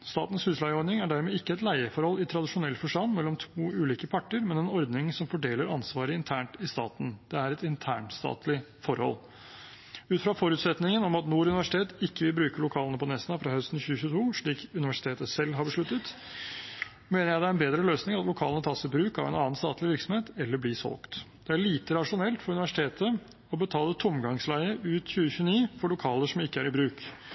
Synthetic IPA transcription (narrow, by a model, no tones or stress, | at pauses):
st̪ɑːt̪n̩shʉslæɪəɔɾd̪nɪŋæɖæɾmɛːɪkːəɛt̪læɪəfɔɾhɔlɪt̪ʰɾɑd̪ɪʂʊnɛlt̪fɔʂʈɑnːmɛlːɔmt̪ʰuːʉːliːkəpʰɑʈːəɾmɛnɛnɔɾd̪nɪŋsɔmfɔɖeːləɾɑnsʋɑːɾəɪnt̪ʰæːɳʈɪst̪ɑ̰ːt̪n̩d̪̥ɛæɾɛt̪ɪnt̪ʰæːɳst̪ɑ̰ːt̪lɪ | fɔɾhɔ̰l | ʉːt̪fɾɑfɔɾʉːt̪sɛt̪nɪŋənɔmɑt̪nuːɾʉnɪʋæʂɪ̥t̪ʰeːt̪ɪkːəʋɪlbɾʉːkəlʊkʰɑːlənəpʰɔnɛsnɑfɾɑhœst̪n̩çʉːəçʉːt̪ʰuːʂɭiːkʉnɪʋæʂɪt̪ʰeːt̪əsɛlːɦɑɾbəʂɭʉt̪ːət̪ | meːnəɾjæɪd̪ɛæɾɛnbeːd̪ɾəløːsnɪŋɑt̪lʊkʰɑːlənət̪ʰɑːsɪbɾʉːkɑ̰ʋæ̰ɪnɑːnst̪ɑ̰ːt̪lɪʋɪɾksɔmheːt̪ɛlːəblɪsɔ̰lkt̪d̪̥ɛæɭiːt̪əɾɑʂʊnɛlt̪fɔɾʉnɪʋæʂɪt̪ʰeːt̪ə | ɔbət̪ʰɑːlət̪ʰʊmɡɑŋslæɪəʔʉːt̪çʉːəçʉːniːfɔɭʊkʰɑːləʂɔmɪkːəæɾɪbɾʉːk